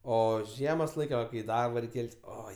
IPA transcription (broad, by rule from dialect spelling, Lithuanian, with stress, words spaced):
ˈoː ˈʒʲiɛmoːs ˈlˠɐɪkʲ ˈʋɐ kɐɪ ɪ ˈdɐrboː ˈrʲɛɪkʲ ˈkʲɛlʲtʲsʲ ˈoːɪ